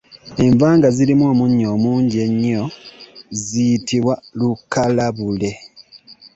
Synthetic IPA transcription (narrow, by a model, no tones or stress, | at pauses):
e̞ɱvaːŋɡazilimo̞ːmuɲːo̞ːmuːɲɟe̞ɲːo̞ | zijitiβwalukːalaβule̞